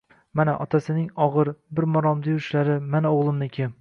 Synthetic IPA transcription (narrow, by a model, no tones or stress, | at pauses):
manaʔɒt̪ʰasɪnɪŋɒʁɨɾbɪɾmɒɾɒmd̪ɪjʊʃlaɾɪmanoʁlˠɪmnɪkʲʰem